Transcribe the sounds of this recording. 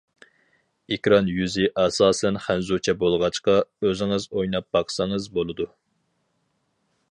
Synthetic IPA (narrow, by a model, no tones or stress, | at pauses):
ekʲɾɑnjyzɪʔɑsɑːsɛnχænzut͡ʃʰɛbolˠʁɑt͡ʃqɑøzɪŋɨzojnɑp̚bɑqsɑŋɨzbolˠɨd̪u